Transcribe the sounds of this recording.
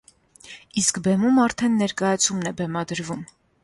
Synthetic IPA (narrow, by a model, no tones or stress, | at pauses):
iskbɛmumɑɾt̪ʰɛnːɛɾkɑjɑt͡sʰumnɛbɛmɑd̪əɾvum